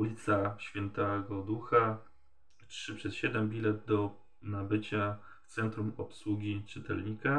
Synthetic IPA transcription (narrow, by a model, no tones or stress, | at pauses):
ulʲit̪saɕfʲjɛnt̪ɛɡɔd̪uxa | tʂɘpʂɛsɕɛd̪ɛmbʲilɛd̪̚d̪ɔ | nabɘt͡ɕa | ft̪sɛnt̪ɾumɔpswuɡʲit͡ʂɘt̪ɛ̰lɲika